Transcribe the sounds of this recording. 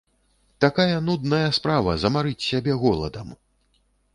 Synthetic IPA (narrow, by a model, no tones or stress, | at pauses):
t̪akajɐnud̪nɐjɐspɾavɐzɐmaɾɨt͡sʲsʲabʲɛɣɔlˠɐ̰d̪ɐm